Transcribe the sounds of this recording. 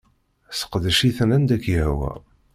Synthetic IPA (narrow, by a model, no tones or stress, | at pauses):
sə̥qd̪ʃiθnænd̪ækːjəhwæ̰